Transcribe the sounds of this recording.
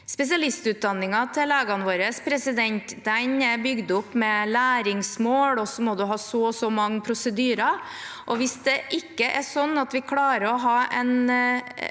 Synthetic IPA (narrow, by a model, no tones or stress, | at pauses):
spɛs̬ɪɑlɪst̪ʉːt̪̚d̪ɑnːɪŋɑt̪ʰɪleːɡɑnʋoːɾəspʰɾɛsɪd̪ɛnt̪d̪ɛnbʏɡd̪ʊpːmɛlæːɾɪŋsmoːɽɔsɔmɔd̪ʉɦɑːsɔsɔmɑŋːəpʰɾʊsəd̪yːɾɑ | ʔɔʋɪsd̪ɛʔɪkːəʔɛsɔnːɑt̪ʋɪkʰlɑːɾəɾɔɦɑːɛ̰n